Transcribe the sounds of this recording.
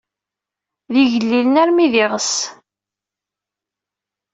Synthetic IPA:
ðiʝəlːilənæɾmiðɪʁəs

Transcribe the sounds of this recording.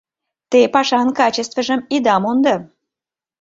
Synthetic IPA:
t̪epɑʃɑnkɑt͡ɕest̪vəʒəmid̪ɑmond̪ə

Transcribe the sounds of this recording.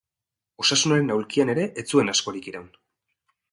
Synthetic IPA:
o̞sasunaɾe̞nawlkiane̞ɾe̞ʔet͡sue̞nasko̞ɾikiɾawn

